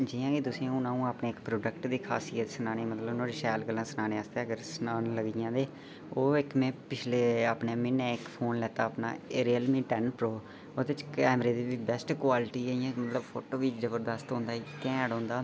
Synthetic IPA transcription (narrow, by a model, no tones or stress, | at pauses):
d͡ʒiːãːkid̪ʊsɪãːʊnãːũːapneːɪkpɾoːɖəkʈd̪iːkʰaːsiːət̪sənaːneːmət̪ləbʊnãːɾɪʃɛːlɡəlːãːsənaːneːəst̪eːəɡəɾsənaːnləɡijãːd̪eː | oːɪkmẽːpɪt͡ʃʰleːaːpneːmɪnɛ̃ːɪkpʰoːnlɛːt̪aːpna̰ːeːɾiːəlmĩːʈɛnpɾoː | oːd̪ɪt͡ʃkɛːmɾeːd̪iːʋiːbɛsʈkwaːlɪʈiːəːijãːmət̪ləbpʰoːʈoːʋiːd͡ʒəbəɾd̪əst̪õːnd̪aːit̪ɛ̃ːɽõːnd̪aː